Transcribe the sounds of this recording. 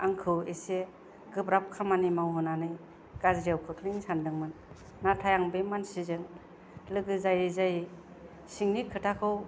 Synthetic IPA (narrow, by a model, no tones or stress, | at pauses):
aŋkʰɯwese | ɡɯpɾap̚kʰamanimawɦɯnanɯj | ɡ̥azɾijawkʰɯtʰɾiŋsandɯŋmanː | atʰajaŋbemansizɯŋ | lɯɡɯzajɯzaji | siŋnikʰɯtʰakʰɯw